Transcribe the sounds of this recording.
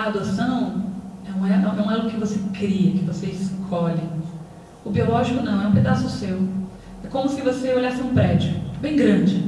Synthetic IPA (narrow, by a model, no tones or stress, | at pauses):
ad̪osɐ̃w̃ɛñɛñnɐ̃w̃ɛʊkɪvosekɾiɐkɪvoseiskʰoʎɪ | ʊbiolɔʒikʊnɐ̃w̃ɛũped̪asʊsew | ɛkõmʊsɪvoseoʎasɪũpɾɛd͡ʒʊbẽj̃ɡɾɐ̃d͡ʒɪ